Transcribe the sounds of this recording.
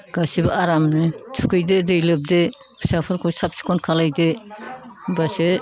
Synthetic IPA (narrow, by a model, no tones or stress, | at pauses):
ɡ̥asibaaɾamnɯtʰu̥kʰɯjdedɯjlɯb̚de | bʰɯ̥sapʰɯɾkʰɔsap̚si̥kʰɔnkʰalajde | base